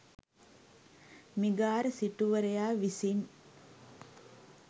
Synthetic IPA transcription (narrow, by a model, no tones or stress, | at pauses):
miɡaːɾəsiʈuʋəɾejaːʋisin